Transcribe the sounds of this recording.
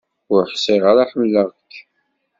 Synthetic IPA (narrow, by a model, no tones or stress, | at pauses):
ʊɾħsiʁəɾaħəmːləʁkː